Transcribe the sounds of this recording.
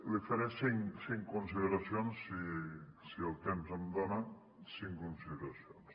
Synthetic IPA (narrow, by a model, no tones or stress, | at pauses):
lifaɾɛsiŋsiŋkunsiðeɾasjonsisiəlˠt̪emzəmd̪ona | siŋkunsiðeɾasions